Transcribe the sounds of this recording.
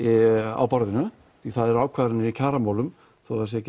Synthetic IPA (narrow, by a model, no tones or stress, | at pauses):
a̰wpɔɾðɪnʏ | θiθaðɛɾaːwkʰvaːðɾanːɪɾicʰaːɾamaːwlʏm | θowθasjɛc